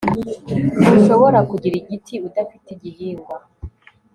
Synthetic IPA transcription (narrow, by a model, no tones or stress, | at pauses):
uʃo̞βo̞ɾakuɟiɾiɡitʰiudafitiɟihiːŋɡwa